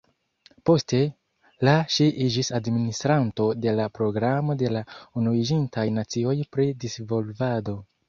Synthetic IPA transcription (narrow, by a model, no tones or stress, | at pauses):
po̞ste̞ | laʃiʔid͡ʒisadministɾanto̞de̞lapɾo̞ɡɾamo̞de̞launuid͡ʒintajnat͡sio̞jpɾidisvo̞lvado̞